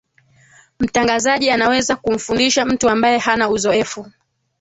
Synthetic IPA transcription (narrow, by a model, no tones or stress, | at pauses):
m̩taŋɡazaʄianawɛzakum̩fundiʃam̩tuambajɛhanauzɔɛfu